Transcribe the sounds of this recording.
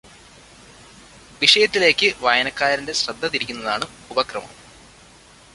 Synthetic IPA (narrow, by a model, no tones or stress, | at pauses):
ʋiʂɐjɐt̪ːile̞ːkːɨʋɐjɐnɐkːaːɾinde̞ɕrɐd̪ʱːɐt̪iɾikʲːunːɐðaːɳɨ | ubɐkrɐmɐ̰m